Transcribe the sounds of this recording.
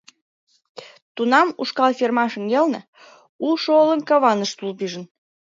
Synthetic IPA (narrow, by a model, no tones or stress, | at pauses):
t̪unɑmuʃkɑlfermɑʃə̆ŋɡelnə | ulʃoolənkɑβɑnəʃt̪ulpiʒə̆n